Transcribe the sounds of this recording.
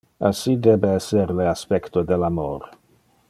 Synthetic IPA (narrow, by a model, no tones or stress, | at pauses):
asid̪ebeɛseɾleaspɛkt̪od̪elamoɾ